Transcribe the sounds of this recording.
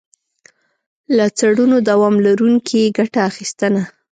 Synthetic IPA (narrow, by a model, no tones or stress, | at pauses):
lat͡saɽunod̪awɑmlaɾuŋkʰieɡaʈaːxist̪əna